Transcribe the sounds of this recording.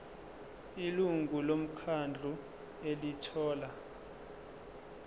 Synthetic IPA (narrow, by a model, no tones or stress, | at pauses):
iluŋɡʱulom̩kʰand͡ɮʱu | elitʰɔːla